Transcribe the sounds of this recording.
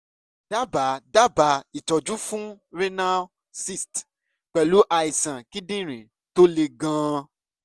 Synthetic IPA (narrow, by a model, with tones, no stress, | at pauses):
d̥a˦˨ba˨˦da˦ba˨˧˦i˨tɔ˨d͡ʒu˦fũ˦ɾe˦nã˦ | si˦st | k͡pɛ˨lu˨˦ʔa˧i˨sã˨ki˦dĩ˦˨ɾ̃ĩ˨ | to˦le˧ɡã˧˦